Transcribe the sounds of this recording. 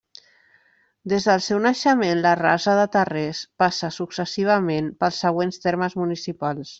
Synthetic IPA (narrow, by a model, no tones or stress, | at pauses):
d̪ezðəlˠsɛwnəʃəmenləra̰zəðət̪ərespasəsuksəsiβ̞əmenpəlˠsːəɣ̞wenst̪eɾməzmunisipalˠs